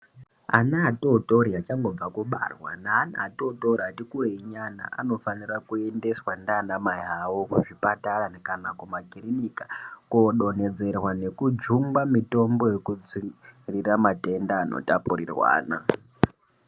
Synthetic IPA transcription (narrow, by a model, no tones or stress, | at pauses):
a̰naːtoto̞ɾiat͡ʃaŋɡo̞b͡vakuɓa̰rwa̰naːna̰ːtotoɾiatikureiɲana̰ʔa̰no̞fanirakue̞nde̞swandanamaiɦawokuʐipataɾanekanakumaɡʱirinikḁkoɗo̞ne̞d͡ze̞rwane̞kud͡ʒuŋɡamito̞mbo̞je̞kud͡ziriramate̞ndaːno̰tapurirwa̰ːna̰